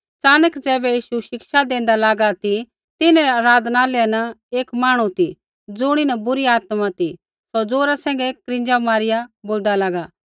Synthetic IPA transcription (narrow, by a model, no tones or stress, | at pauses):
t͡saːnəkd͡zɛːbɛjiːʃuʃɪkʃad̪ẽːnd̪alaːɡat̪i | t̪ɪnɛ̃aɾaːd̪naːlɛɛnɐeːkmaːɽ̃ũt̪i | d͡zʊɽ̃inɐbʊɾiaːt̪mat̪i | sɔd͡zoːɾasɛ̃ːŋ̆ɡɛkkɾɪ̃nd͡ʒamaːɾɪjaboːld̪alaːɡa